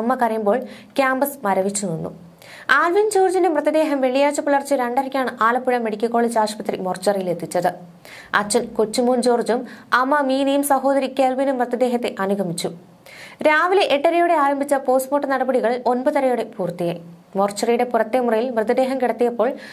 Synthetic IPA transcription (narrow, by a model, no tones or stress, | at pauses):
ɐmːɐkɐɾɐjumboːɭ | kʲaːmbɐsmɐɾɐʋit͡ɕːunonːṵ | aːlʋind͡ʑoːrd͡ʑɐnumrɐðid̪e̞ːɦɐmʋeɭijaːt͡ɕːɐpuɭɐrt͡ɕːɨɾeɳɖɐɾɐkʲːaːɳɨʔaːlɐpːiɻɐmːeɽikʲːɐkːoːɭit͡ɕaːʂɐ̥pɐt̪rḭmo̞rt͡ɕːɐrɐjile̞t̪ːit͡ɕːɐðɨ | ɐt͡ɕːɐnkot͡ɕːumuːnd͡ʑo̞ːrd͡ʑumɐmːɐmiːnijumsɐɦo̞ːd̪ɐɾikʲːeːlʋinumːrɐðɐd̪e̞ːɦɐt̪ːe̞ʔɐnuɡʱɐmit͡ɕːu | ɾaːʋileʔeʈːɐɾɐjuɽe̞aːɾɐmbʱit͡ɕːɐpo̞ːsmoːʈːɨnɐɽɐbɐɽiɣɐɭilo̞nbɐðɐɾɐjuɽe̞puːrt̪ijaːj | mo̞rt͡ɕːɐrijɽe̞purɐt̪ːemurɐjilmrɐðid̪eːɦɐmkiɽɐt̪ːijɐpːo̞ːɭ